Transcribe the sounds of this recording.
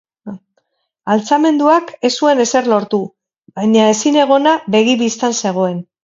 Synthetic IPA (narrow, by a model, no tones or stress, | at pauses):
alt͡same̞nd̪uake̞sue̞ne̞se̞ɾlo̞ɾt̪u | bajɲaesine̞ɣ̞o̞naβe̞ɣ̞iβist̪anse̞ɣ̞o̞e̞n